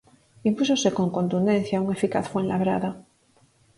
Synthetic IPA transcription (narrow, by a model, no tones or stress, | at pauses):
impuso̞se̞ko̞ŋkont̪und̪en̟θjauŋe̞fika̰θfwenlaβɾa̰ða